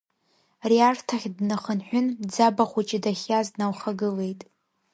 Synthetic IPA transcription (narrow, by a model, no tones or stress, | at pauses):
riartʰaχʲdnɨχənħʷᶣʊnd͡zabaχʷut͡ʃʼɪdaχʲaznawχaɡɨle̞jtʼ